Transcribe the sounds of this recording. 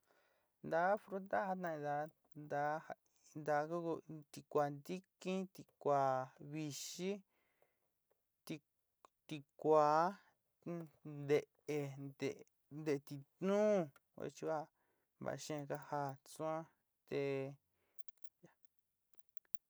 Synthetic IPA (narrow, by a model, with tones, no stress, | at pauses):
nd̪a˧˦fɾu˦d̪a˦ha˧t̪ã˧ĩ˧d̪a˧ | nd̪a˧˦a˧ | nd̪a˧˦ku˦ku˧t̪i˧kʷa˨nd̪i˦kĩ˦t̪i˧kʷa˨˧˨βi˧ʃi˦ | t̪i˧ | t̪i˧kʷaː˨˦ | d̪e˧˨ | e˧d̪e˨ | nd̪e˧˨˧t̪i˧t̪nũː˦˧ | ḛ˧t͡ʃi˧βa˦˧ | βa̰˨˧ʃẽ˦˧ka˧ha˧t͡sũ˦ã˦ | t̪e˧ | a˧